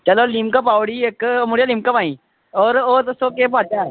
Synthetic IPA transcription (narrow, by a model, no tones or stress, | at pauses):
t͡ʃɐlolimkəp̬aːwɽieːkmʊɽijalĩːmkəpãːĩ | ɔːɾoːt̪sokep̬aːt̪a